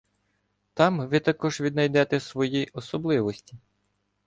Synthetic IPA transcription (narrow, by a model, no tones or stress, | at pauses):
t̪ɑmʋɪt̪ɐkɔʒʋʲid̪nɐjd̪ɛt̪ɛsʋɔjiʔɔsɔblˠɪʋɔsʲtʲi